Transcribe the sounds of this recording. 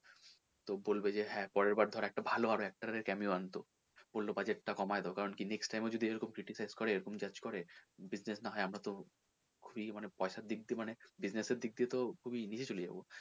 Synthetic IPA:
t̪obolbed͡ʑeɦɛ̃pɔɾeɾbaɾd̪ʱɔɾaɛk̚ʈabʱaloaɾoɛk̚ʈaɾeɾkɛmiuant̪o | b̥olːobad͡ʑeʈ̚ʈakɔmaed̪eokaɾonkineksʈajmod͡ʑod̪ʱieɾɔkomkɾiʈisajzkɔɾeeɾɔkomd͡ʑad͡ʑkɔɾebid͡ʑnesnaɦɔeamɾat̪o | kʰubimanepɔeʃaɾd̪ik̚d̪iemanebid͡ʑneseɾd̪ik̚d̪iet̪okʰubinit͡ɕʰet͡ɕolid͡ʑa̰bo

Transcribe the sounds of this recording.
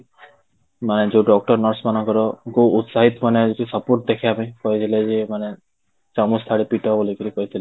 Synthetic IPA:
maned͡ʒewɖɔk̚ʈɔɾnɔɾsmanɔŋkɔɾɔkuːt̪saɦit̪ɔmaned͡ʒeʈisɔpoɾʈ̚d̪ekʰiapaj̃kɔɦit̪ʰiled͡ʒemane | t͡ʃɔmust̪ʰaɽipiʈɔbolikiɾikɔɦit̪ʰile

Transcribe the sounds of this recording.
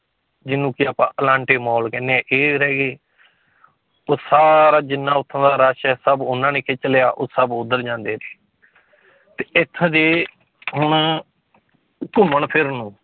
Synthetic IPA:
d͡ʒɪnːũːkɪaːpãːʔəlãːɳʈeːmɔːlkɛ̃ːnːeːɛʔeːɾɛːɡeː | oːsaːɾaːd͡ʒɪnːãːʊt̪ʰːãːd̪aːɾaʃɛːsəbʊnãːnẽːkʰeːt͡ʃəleja̰ːʔoːsəbʊd̪əɾd͡ʒãːnd̪eːɾeː | t̪eːɪt̪ʰːd̪eː | ɦʊɳ | kʊməɳpʰɪɾnũː

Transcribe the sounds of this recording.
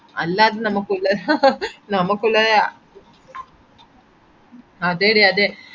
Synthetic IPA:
ɐ̰lːɐːd̪ɯnɐmɐkːulːɐ | nɐmɐkulːɐ | ɐd̪eːɽiɐd̪e

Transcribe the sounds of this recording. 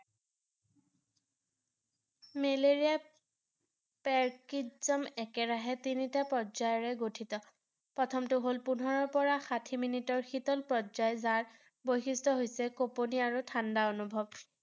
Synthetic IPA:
meleɹija | pɛɹkizɔmɛkɛɹaɦɛtinitapɹɔzajɔɹɛɡotʰitɔ | pɹɔtʰɔmtʊɦolpunɔɹɔɹpɔɹaxatʰiminitɔɹxitɔlpɹɔzajzaɹ | bojxistʰɔɦojsɛkoponiaɹutʰandaonubʱɔb

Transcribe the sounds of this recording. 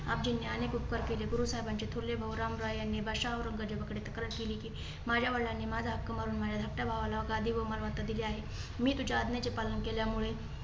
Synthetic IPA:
a̰ːp̚d͡ʒinːeanekupkəɾkeleɡʊɾusaːibant͡ʃet̪ʰuɾlebʱɐwɾaːmɾaːɐnːebʱaʃaɦoɾɐŋɡəɾd͡ʒebɐkɽet̪ɐkɾəɾkiliki | maːd͡ʒaʋəɭanemaːd͡zap̚kɐməɾunmaːd͡ʒad̪ʱɐk̚ʈabʱaʋalaʋɐɡaːd̪iʋomalʋat̪ad̪ileaːɦe | mĩt̪ud͡ʒaːd̪net͡ʃepalənkeljamuɭe

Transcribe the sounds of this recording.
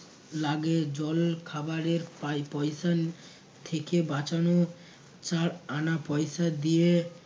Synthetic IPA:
laɡed͡ʑɔlkʰabaɾeɾpajpɔjʃa | t̪ʰekebat͡ɕano | t͡ɕaɾanapɔjʃad̪ije

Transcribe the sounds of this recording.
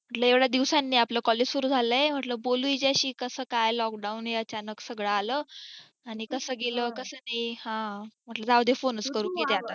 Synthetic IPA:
m̤əʈləeʋɭjad̪iʋsanːiːapləːkɔled͡ʑsuɾuːd͡zʱaləjem̤əʈləbolujd͡ʑaɕiːkəsəːkajlɔk̚ɖaunɦeət͡ɕanəksəɡɭəaləː | aɽ̃ikəsəːɡeləːkəsəːnajhãm̤əʈləd͡zaʋd̪ʱefonəskəɾuːket̪eat̪at̪

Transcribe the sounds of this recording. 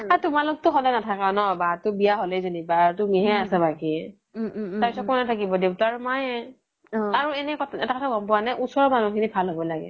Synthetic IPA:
atʊmalʊk̚tʊɦɔlɛnatʰakanɔbatʊbijaɦolɛjzonibatʊmiɦɛasɛbaki | taɹpisɔtkɔnɛtʰakibɔdeʊtaɹmaj | aɹuɛnɛkɔɛtakɔtʰaɡɔmpʊwanajʔusɔɹmanukʰinibʱalɦobɔlaɡɛ̰

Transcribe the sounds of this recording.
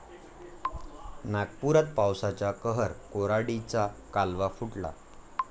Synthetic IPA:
naɡpuɾat̪̚pawsat͡ɕjakəɦəɾkoɾaɽit͡sakalʋafuʈla̰

